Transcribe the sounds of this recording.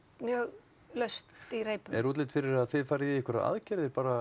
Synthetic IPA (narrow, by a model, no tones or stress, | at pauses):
mjœːɣ | lœɥst̪iɾejpʏɛɾuːt̪lɪt̪fɪɾɪɾaðθɪðfaːɾɪjɛɛhkəɾaa̰ðcɛɾðɪpaːɾa